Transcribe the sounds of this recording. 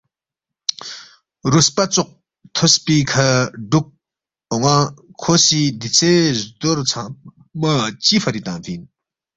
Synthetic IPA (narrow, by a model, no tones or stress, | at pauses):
ruspat͡sʰoq̚ | t̪ʰospikʰalɖ͡ʐuk̚ | ŋakʰoɕid̪it͡sʰezd̪ort͡sʰa | mət͡ɕifʰaɾit̪aŋvin